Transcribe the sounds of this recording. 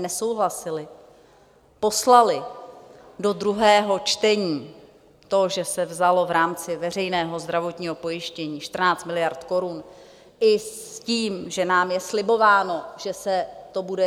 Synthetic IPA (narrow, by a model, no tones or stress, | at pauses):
nɛso̞wɦlasɪlɪ | po̞slalɪ | do̞d̪ɾuɦɛːɦo̞t͡ʃt̪ɛɲiː | t̪o̞ʒɛsɛvzalo̞vɾaːmt͡sɪvɛr̝ɛjnɛːɦo̞zd̪ɾavo̞t̪ɲiːɦo̞po̞jɪʃcɛɲiːʃt̪r̩naːt͡st̪mɪlɪjaɾt̪ko̞ɾun | ʔɪciːmʒɛnaːmjɛslɪbo̞vaːno̞ʒ̥ɛsɛt̪o̞budɛ